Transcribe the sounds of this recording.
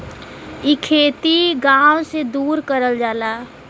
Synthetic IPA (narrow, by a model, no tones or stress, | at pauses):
ikʰeːt̪iɡaːwsed̪uːɾkəɾəld͡ʒaːlaː